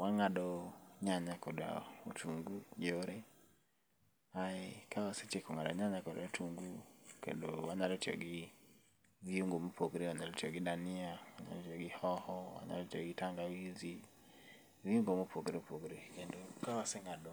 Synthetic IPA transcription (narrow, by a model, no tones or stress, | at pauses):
waŋaɗɔɲaɲakɔɗa̰utuŋɡud͡ʒoɾɛ | haɛkawaset͡ʃekɔŋaɗɔ̰ɲaɲakɔɗa̰otuŋɡukɛ̰ndɔwaɲalɔtiɔ̰ɡi | viuŋɡɔmupʰoɡɾɛwaɲalɔtiɔɡiɗaniawaɲa̰ɾɔtɔɡihɔhɔwa̰ɲa̰lɔtiɔɡitaŋɡawizi | viuŋɡɔmupʰoɡɾɛpoɡɾɛkɛndokawasɛŋaɗɔ